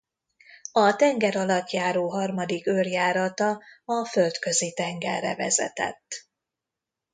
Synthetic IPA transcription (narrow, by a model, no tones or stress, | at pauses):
ɒt̪ɛŋɡɛɾɒlɒt̪jaːɾoːɦɒrmɒd̪ikørjaːɾɒt̪ɒɒfølt̪kø̞zit̪ɛŋɡɛ̰rːɛ̰vɛ̰zɛ̰t̪ɛ̰t̪ː